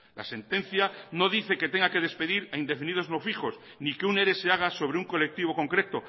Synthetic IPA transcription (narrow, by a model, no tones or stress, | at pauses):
la̰se̞nt̪e̞nθjano̞ðiθe̞ket̪eŋɡake̞ðe̞spe̞ðiɾaind̪e̞finiðo̞znofiχo̞s | nikeune̞ɾe̞seaɣ̞aso̞β̞ɾeuŋko̞le̞k̚t̪iβ̞o̞ko̞ŋkɾe̞t̪o